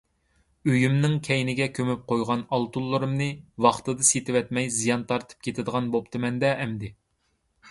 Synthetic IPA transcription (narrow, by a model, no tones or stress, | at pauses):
øjymnɪŋkʲʰɛjnɪɡʲɛkʲʰømyp̚qʰojʁɑnɑlˠt̪ulˠːɨɾɨmnɨwɑχt̪ɨd̪ɨset̪ʰɪwɛt̪mɛjzijɑnt̪ʰɑɾt̪ʰɨ̥p̚kʲʰet̪ʰɪd̪əʁɑnbop̚t̪ʰɨmɛnd̪ɛʔːmd̪ɪ